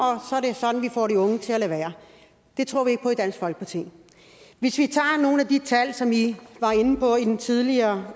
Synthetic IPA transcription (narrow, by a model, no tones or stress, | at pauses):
ɒ̽sɒ̽æɐɾe̝sɒ̽d̥n̩ʋifɒ̰ːɾ̥iɔ̽ŋət͡sʰe̝ælæʋæːɐ | d̥e̝t͡sʰʁo̝ɐ̰ʋie̝ɡ̥̚pʰɒ̽id̥æn̰sɡ̥fɒ̽l̰ɡ̥əpʰɑt͡sʰḭː | ʋe̝sʋit͡sʰɑ̰̈ːno̝ːn̩æd̥it͡sʰælsɒ̽miʋɑ̈e̝nn̩pʰɒ̽idnt͡sʰið̞ˠliɐː